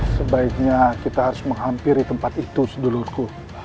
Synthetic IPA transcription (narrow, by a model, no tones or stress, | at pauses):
səbaik̚ɲakit̪ahaɾʊsməŋɦampɪrdit̪əmpat̪it̪usədolurku